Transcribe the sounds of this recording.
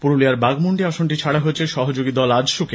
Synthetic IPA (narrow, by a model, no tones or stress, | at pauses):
puɾoliaɾbaɡmuɳʈiaʃonʈit͡ɕʰaɽaɦoet͡ɕʰeʃɔɦod͡ʑoɡid̪ɔlad͡ʑʃuke